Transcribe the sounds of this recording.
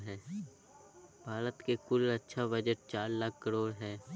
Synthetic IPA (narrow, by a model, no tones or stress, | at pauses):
ɦɛː | bʱaːɾət̪kekʊlɐtːʃʰabɐd͡ʒəʈ̚t͡ʃaːɾlakʰːəɾoːɽɦɛː